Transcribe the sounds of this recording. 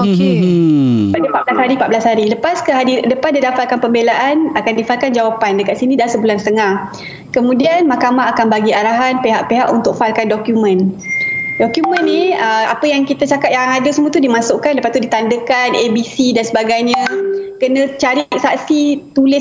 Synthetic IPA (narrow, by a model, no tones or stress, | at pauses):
oke | padəpat̪̚blashaɾipat̪̚blashaɾiləpaskəɦadidəpasdidafat̪̚kanpəmbelaʔanakandifal̚kand͡ʒawapandəkat̪̚sinĩdahsəbulanst̪əŋah | kəmũdianmakamaɦakanbaɡiaɾaɦanpeɦaʔpeɦaʔunt̪ʊk̚falkandɔkjumə̃n | dokjumə̃nːiəa̰pəjaŋkit̪at͡ʃakat̪jaaŋadəsəmũə̃t̪udimãsʊʔkanləpast̪udit̪andəkanebisidansəbaɡajɲəkənə̃t͡ʃaɾiʔ̚saʔsit̪ulɪs